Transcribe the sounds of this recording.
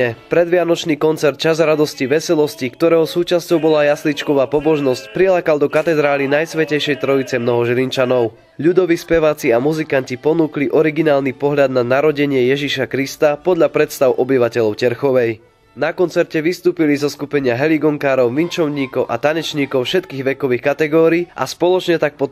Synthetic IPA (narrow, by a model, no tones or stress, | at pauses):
ɛpɾɛd̪ʋɪanɔt͡ʃniːkɔnt͡sɛɾt̪̚t͡ʃazɾad̪ɔsciʋɛsɛlɔscikt̪ɔɾɛːɦɔsuːt͡ʃascɔʊbɔlajaslit͡ʃkɔʋaːpɔbɔʒnɔscpɾilakald̪ɔkat̪ɛd̪ɾaːlinajsʋɛcɛjʃɛjt̪ɾɔit͡sɛmnɔɦɔʒlint͡ʃanɔʊ | ʎud̪ɔʋiːspɛʋaːt͡siamuzikancipɔnuːkliʔɔɾiɡinaːlnipɔɦʎad̪nanaɾɔɟɛɲɪɛjɛʒiʃakɾist̪apɔd̪ʎapɾɛt̪st̪aʊʔɔbiʋacɛʎɔʊcɛɾxɔʋɛj | nakɔnt͡sɛɾcɛʋist̪uːpilizɔskupɛɲɪaɦɛliɡɔŋkaːɾɔʊʋint͡ʃɔʊɲiːkɔʊʔa̰t̪aɲɛt͡ʃɲiːkɔʊfʃɛt̪kiːɣʋɛkɔʋiːxkat̪ɛɡɔːɾiːʔa̰spɔlɔt͡ʃɲɛt̪ak̚pɔ